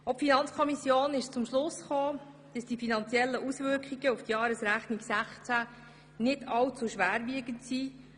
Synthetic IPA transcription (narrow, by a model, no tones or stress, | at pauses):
ɔpfinɑnt͡skʰɔmisjoːnɪʃt͡sʊmʃlʊsχoː | d̥əsd̥ifinɑnt͡siɛlːəʔusvʏɾkχiɡəuftjɑːɾəsɾæχniɡsæχt͡sæ | nɪdɑwt͡suʃʋæːɾʋiəɡəntsi